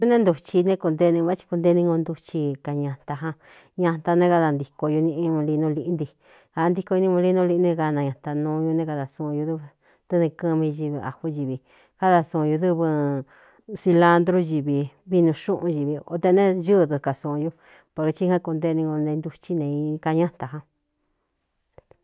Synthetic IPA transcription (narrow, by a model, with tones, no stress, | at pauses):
u˧˦nẽ˦nd̪u˧t͡ʃi˧nẽ˦˧ku˧nd̪e˧˦˧nĩ˧a˦t͡ʃi̥˧ku˧nd̪e˦˧˦nĩ˧ŋɡo˧nd̪u˧t͡ʃi˧ka˨ɲã˧nt̪a˧ɦã˧ | ɲã˧nt̪a˧nẽ˦ka˧ða˧nd̪i˧ko˧ju˧nĩ˧ĩ˧mũ˧li˧nũ˧li˧ʔnd̪i˧ | ha˧˦˧nd̪i˧ko˧u˧nĩ˧mũ˧li˧nũ˧li˧˦nĩ˧ka˧nã˧ɲã˨nt̪a˧nũ˧ju˧nẽ˧ka˧ða˨sũ˧ju˧ðu˦β | t̪ɨ˦nĩ˧kɨ̃˧mĩ˧ʒi˧βi˧a̰˨hu˦ʒi˨βi˨ | ka˦ða˧sũ˧ju˧ðɨ˦βɨ˧ | si˧la˦nd̪ɾo˦ʒi˨βi˧βi˦nũ˧ʃũ˦ʔũ˧ʒi˨βi˧o˧t̪e˧nẽ˦ʒɨ˦˧ðɨ˧ka˨sũ˧˨˧ju˧ | po˧ɾe˧t͡ʃi˦hã˦ku˧nd̪e˦˧nĩ˧ɡo˧nẽ˧nd̪u˧t͡ʃi˦nẽ˧i˧ka˧ɲã˦nt̪a˨ɦã˧